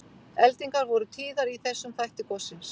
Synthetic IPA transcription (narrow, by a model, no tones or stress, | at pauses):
ɛlt̪iŋkaɾvɔɾʏt̪ʰiːðaɾiθɛsːʏmθajht̪ɪkɔsːɪns